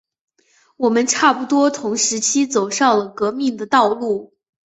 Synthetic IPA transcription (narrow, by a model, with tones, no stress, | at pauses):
wɔ˨˩mə˦nʈ͡ʂʰa˥˩pu˨˩t̪wɔ˥t̪ʰʊ˧˥ŋʂɻ̩˧˥t͡ɕʰi˥t͡so˨˩ʊʂɑ˥˩ŋlə˩kɤ˧˥mi˥˩ŋd̪ə˩t̪ɑ˥˧ʊlu˥˩